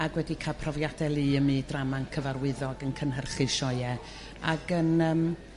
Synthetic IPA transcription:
aɡwɛdikʰapʰrɔvjadɛlˠiːəmidramankʰəvarwɪðɔɡənkʰənɦərχɨʃɔɨɛ | aɡ̥ənəːm

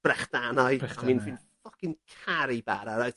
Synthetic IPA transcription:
b̥rɛχd̥anajamiːnfɪnfɔkɪnkʰaɾiba̰ɾaɾaɨθ

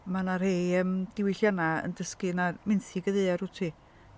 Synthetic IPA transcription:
manarhejəːmd̥ɪwɪɬjanaə̰ndəskɨnarmɪnθiɡəðeðarutʰiː

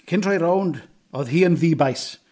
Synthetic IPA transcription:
kʰɪntʰrɔjɾownd | ɔðɦiːənðiːbajs

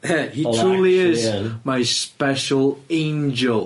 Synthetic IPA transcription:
ɛhitʰɹ̥uːlˠiɪzmaɪspɛʃəlˠẽnd͡ʒəlˠ

